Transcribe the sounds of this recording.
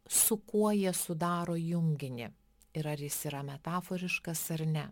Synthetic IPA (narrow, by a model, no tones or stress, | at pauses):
sʊkuɔjiɛsʊd̪ɑːɾoːjʊŋʲɡʲɪnʲɪ̰ | ɪɾɐɾjɪsiːɾɐmʲɛt̪ɑːfɔɾʲɪʃkɐsɐɾʲnʲɛ